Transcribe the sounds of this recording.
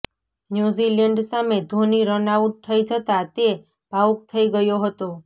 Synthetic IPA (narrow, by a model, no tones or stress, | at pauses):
njuziləɳɖsamed̪ʱoniɾənauʈ̚t̪ʰəid͡ʒət̪at̪e | b̥ʱauk̚t̪ʰəiɡəjoɦət̪o